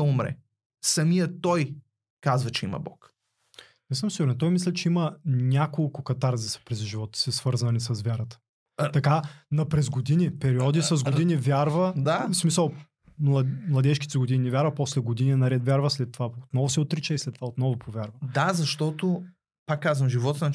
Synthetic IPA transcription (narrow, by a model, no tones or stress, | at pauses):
ɐumɾɛ̰ | sɐmijət̪ɔj | kazvɐt͡ʃɛḭmɐ̰bɔ̰k | misəmsiɡuɾɛnt̪ɔjmislʲɛt͡ʃɛimɐnʲakolˠkʊkɐt̪aɾzisɐ̥pɾɛzʒivɔt̪ə̥sɛsvɤɾzvɐnisɐsvʲjaɾət̪ə̥ | t̪ɐkanɐpɾɛzɡod̪inipɛɾiɔd̪isɐzɡod̪inivʲjaɾvɐd̪asmisəlˠ | mlˠɐmlˠɐd̪ɛʃkit̪sɛɡod̪ininivʲjaɾvɐpɔslɛɡod̪ininɐɾɛt̪vʲjaɾvəslɛt̪ːovaot̪nɔvʊsɛot̪ɾit͡ʃɛislɛt̪ːovaot̪nɔvʊpʰovʲjaɾvɐd̪azɐʃt̪ɔt̪o | pakːazvəmʒivɔt̪n